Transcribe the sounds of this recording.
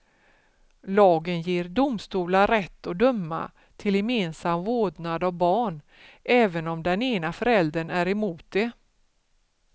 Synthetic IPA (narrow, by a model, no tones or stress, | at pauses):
lɑːɡənjeːɾɖʊmst̪uːlaɾɛt̪ʰːɔd̪ɵmːa̰ | t̪ʰɪljɛmeːnsamvoːdnad̪ɔvbɑːɳ | ʔɛːvənɔmd̪ɛneːnafœɾɛld̪əɳæɾɛmuːt̪̚d̪e